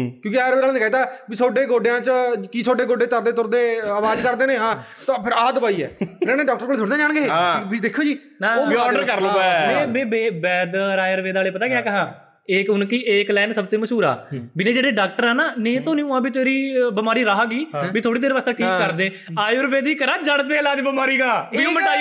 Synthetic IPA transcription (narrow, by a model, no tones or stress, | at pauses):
kjõːkɪaːɾeːaːlːnɪkaːit̪aːbisʰoːɖeːɡoːɖejãːt͡ʃəkisʰoːɖeːɡoːɖeːt̪əɾd̪eːt̪ʊɾd̪eːəʋaːd͡ʒkəɾd̪eːnẽːɦãːt̪ãpʰɪɾaːd̪əbaːiːɛ̰ːɾeːnẽːɖɔːk̚ʈəɾkoːlsʰʊɽãːd͡ʒaːɳɡeːbiːd̪eːkʰːoːd͡ʒiː | naːɔːɖəɾkəɾloɛmɛ̃ːmẽːbeːbɛːd̪ɾaːjəɾʋeːd̪aːleːpət̪aːɡɪjaːkəɦãː | eːkʊnkiʔeːklɛːnsəb̚t̪ẽːməʃuːɾa̰ːbɪnẽːd͡ʒeːɽeːɖaːk̚ʈəɾɛːnaːnẽːt̪õːniũːãːbiːt̪eːɾiːbəmaːɾiːɾaːɦaːɡiːbiːt̪ʰoːɽiːd̪eːɾʋast̪eːʈʰiːkːəɾd̪ẽː | aːjɾbeːd̪iːkəɾaːd͡ʒəɽd̪eːəlaːd͡ʒbəmaːɾiːɡaːiːõːməaː